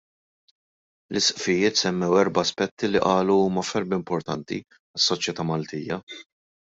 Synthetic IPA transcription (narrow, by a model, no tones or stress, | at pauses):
lʔɪsʔfɪjɪːt̪sɛmːɛwɛɾbɐːspɛt̪ːiliʔɐːluuːmɐfɛɾbɪmpɔɾt̪ɐ̰nt̪ḭ | ɐsːɔt͡ʃjɛt̪ɐmɐlt̪iːjɐ